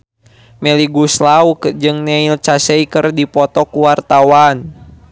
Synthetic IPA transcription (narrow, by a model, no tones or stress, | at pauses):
mɛliɡuslaukd͡ʒɨŋnɛilt͡ʃasɛikɨrdipɔt̪ɔkuwart̪awan